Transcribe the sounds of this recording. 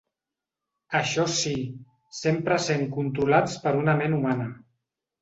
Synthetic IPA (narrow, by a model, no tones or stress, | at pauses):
əʃɔsi | sempɾəseŋkunt̪ɾulat͡spəɾunəmenumanə